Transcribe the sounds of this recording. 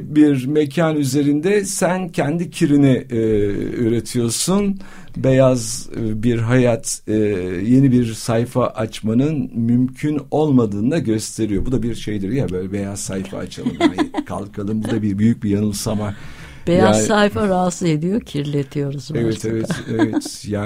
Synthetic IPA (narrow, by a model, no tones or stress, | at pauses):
biɾmecʰanyze̞ɾind̪ɛsæncʰɛnd̪icʰiɾinɛ | øːɾe̞t̪ʰijo̞ɾsun | bejazbiɾɦajat̪ː | je̞nibiɾsajfaʔat͡ʃmanɯnmymcʰyno̞lˠmad̪ɯːnd̪aɟø̞st̪ʰe̞ɾijo̞bud̪abiɾʃe̞jd̪iɾjabøːlʲɛbe̞jazsajfa̰ːt͡ʃʰa̰lˠɯmankʰa̰lˠkʰalˠɯmbuɾd̪abiɾbyjyc̚bijanɯlˠsama | bejaassajfaɾaːsɯed̪ijocʰiɾlʲet̪ʰijo̞ɾuzɛvɛt̪ʰevɛt̪evɛt̪jaː